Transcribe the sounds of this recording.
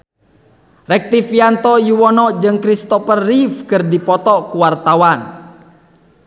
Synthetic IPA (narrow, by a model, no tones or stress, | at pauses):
rɛk̚t̪ifiant̪ɔjuwɔnɔd͡ʒɨŋkɾist̪ɔpərːifkɨrdipɔt̪ɔkuwart̪awan